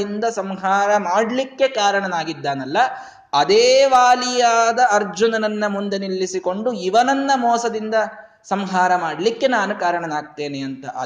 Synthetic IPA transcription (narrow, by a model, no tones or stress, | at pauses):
ind̪ɐsɐmɦaːɾɐmaːɽlikːe̞kaːɾɐɳɐnaːɡid̪ːaːnɐlːɐ | ɐd̪eːʋaːlijaːd̪ɐɐɾd͡ʒunɐnɐnːɐmund̪enilːisiko̞ɳɖuiʋɐnɐnːɐmɔːsɐd̪ind̪ɐ | sɐmɦaːɾɐmaːɽlikːe̞naːnukaːɾɐɳɐnaːɡ̚t̪e̞ːneɐnt̪ɐʔɐ̰